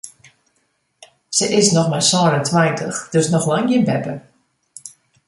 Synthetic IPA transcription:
səʔɪsnɔxmasɔːnəntʰwɛjntʰəxd̥øsnɔxlaŋjɪnbɛpə

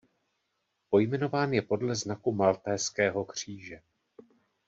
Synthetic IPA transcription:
po̞jmɛno̞vaːnjɛpo̞dlɛznakumalt̪ɛːskɛːɦo̞kr̝̥iːʒɛ

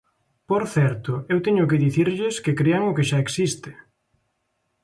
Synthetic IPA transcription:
poɾθɛɾt̪ʊewt̪ɛɲʊkɪðiθiɾʎɪskekɾeaŋʊkɪʃaeksist̪ɪ̥

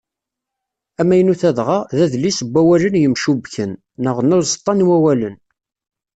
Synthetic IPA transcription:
æmːæjənuθæðʁɑðæðlisəbʷːæwælənjəmʃubçənː | əʁnʊɾzt̪ˤːɑnwæwælən

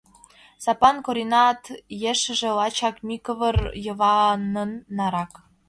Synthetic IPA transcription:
sɑpɑnkoɾʲinɑt̪jeʃə̆ʒĕlɑt͡ɕɑkmʲikɤ̆βərjɤ̆βɑnə̆nːɑɾɑk

